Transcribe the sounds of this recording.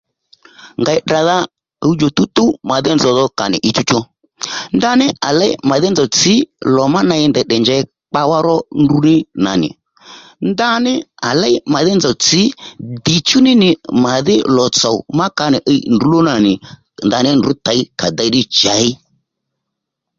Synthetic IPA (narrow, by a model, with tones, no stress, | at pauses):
ŋɡa˨ɪ˨ɗa˨ða˦˧ | i˦d͡ʒo˨t̪u˦t̪u˦ma˨ðɪ˦nzɔ˨ðɔ˧ka˨nɪ̰˨ʔɪ˧t͡ʃu˦t͡ʃɔ˧ | nd̪a˦nɪ˦ʔa˨lɛ˦i˦ma˨ðɪ˦nd͡zɔ˨t͡sɪ˨˦lɔ˨ma˦na˧ɪ˧˦nd̪ɛ˨ɗɛ˨ɲd͡ʒɛ˧˦ | k͡pa˧wa˦ɾɔ˦ndu˧nɪ˦na̰˨nɪ̰˨ | nd̪a˦nɪ˦a˨la˦ɪ˦ma˨ðɪ˦nd͡zɔ˨t͡sɪ˨˦dɪ˨t͡ʃu˦nɪ˦nɪ˨ma˨ðɪ˦lɔ˨t͡sɔ˨ma˦ka˧nɪ˨ʔɛ˧i˦ndu˨˦lo˦na˨nɪ˨ | nd̪a˨nɪ˦ndu˨˦t̪a˨i˦ka˨d̪a˧i˦dɪ˦t͡ʃa˨˦ɪ˦